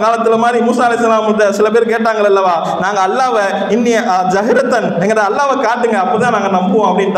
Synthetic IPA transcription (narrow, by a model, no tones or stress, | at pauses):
kaːlɐt̪ːɪlɐmaːd̪ɾimuːsaːlɐɪsːɐlaːmt̪ːɐsɪlɐpeːɾkeːʈ̬ːaːŋɡɐɭɐlːɐʋaː | naːŋɡɐːlːaːʋɐ | ɪnːɪjd͡ʒɐɦɪɾɐt̪ːɐnɛŋɡɐɾãːɐlːaːʋɐkaːʈːɯŋɡɐɐpːɐɽɯt̪ãːnaːŋɡɐnɐmbɯʋõɐpːɐɽɪnt̪ː